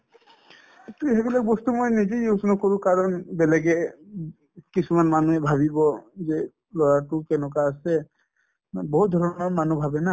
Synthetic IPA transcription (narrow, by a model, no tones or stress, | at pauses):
t̪ujɦebilak̚bɔstumojnizejusnɔkoɹukaɹɔnbɛlɛɡɛ | kisumanmanuɛbʱabibɔzɛ | lɔɹatʊkɛnɔk̬aːsɛ | bɔɦut̪̚d̪ʱɔɹɔnmamanubʱabɛna